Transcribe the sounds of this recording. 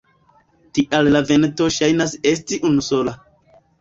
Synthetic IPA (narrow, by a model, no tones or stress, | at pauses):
tiʔallave̞nto̞ʃajnase̞s̬tiʔunuso̞la